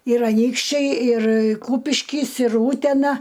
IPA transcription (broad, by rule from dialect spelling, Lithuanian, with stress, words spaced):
ɪr ɐˈnʲiːkʃʲt͡ʃʲɛɪ ɪr ˈkuːpʲɪʃʲkʲɪs ɪr ˈuːtʲɛnɐ